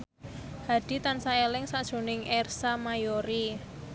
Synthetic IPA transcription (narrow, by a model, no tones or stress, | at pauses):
ha̤d̥i̤t̪ansaelɪŋsaʔd̥ʒ̥o̤nɪŋɛrsamajoɾi